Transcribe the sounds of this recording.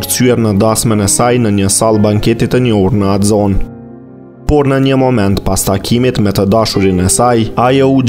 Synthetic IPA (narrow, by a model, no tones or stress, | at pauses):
ɾsyɛɾnəd̪asmɛnɛsajnəɲəsalˠbaŋkɛt̪it̪əɲɔuɾnəad̪zɔn | pɔɾnəɲəmɔmɛnt̪past̪akʰimit̪mɛt̪əd̪aʃuɾinɛsajajɛu